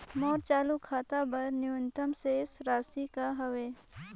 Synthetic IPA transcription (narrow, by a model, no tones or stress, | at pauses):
mɔːɾt͡ʃaːlukʰaːt̪abɐɾnɪwʊnt̪əmsesɾaːsikaɦɐʋeː